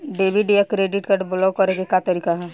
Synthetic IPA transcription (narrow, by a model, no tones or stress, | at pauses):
ɖeːbiɖejakɾeːɖɪʈkəɖblokɐɾeɡekat̪əɾiːkaɦɛ